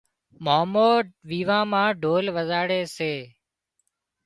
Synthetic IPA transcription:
maːmoːʋiːʋãːmãːɖʱoːlʋəzaːɽeːseː

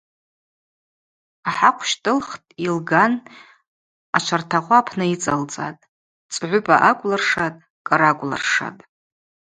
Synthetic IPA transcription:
aħaqʷʰʃtʼɨlχtʼilɡan | at͡ʃʷʰartʰaχʷapʰnɨit͡sʼalt͡sʼa̰tʼ | t͡sʼʕʷʊpʼaʔakʷʼlarʂatʼ | kʼaɾakʷʼla̰rʂa̰tʼ

